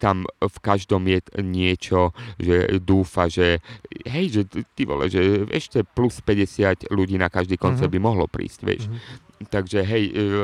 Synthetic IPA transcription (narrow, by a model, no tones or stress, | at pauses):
t̪amfkaʒd̪ɔmjɛɲɪɛt͡ʃɔʒɛd̪uːfaʒɛɦɛjʒɛt̪iʋɔ̰la̰ʒʒɛʔɛ̰ʃcɛpluspɛɟɛsɪatluɟiːnakaʒd̪iːkɔnt͡sɛɾbimɔɦlɔpɾḭːscʋɛ̰ʃt̪aɡʒɛɦɛj